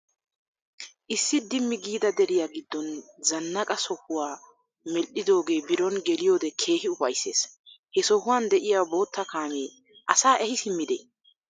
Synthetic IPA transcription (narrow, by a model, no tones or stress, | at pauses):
ʔɪsːɪd̪ɪmːɪɡiːd̪ɐd̪ɛɾɪjaːɡɪd̪ːɔnzɐnːɐkʼɐsɔhʊwaː | mɛlɗɪd̪o̞ːɡe̞ːbɪɾɔnɡɛlɪjo̞ːd̪ɛkʰe̞ːhɪʊfɐjsːe̞ːshɛsɔhʊwaːnd̪ɛʔɪjaːbo̞ːt̪ːɐkaːmeː | ʔɐsaːʔɛhɪsɪmːɪd̪e